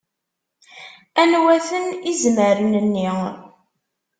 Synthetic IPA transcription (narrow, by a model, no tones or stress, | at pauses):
ænwæθənizməɾənənːi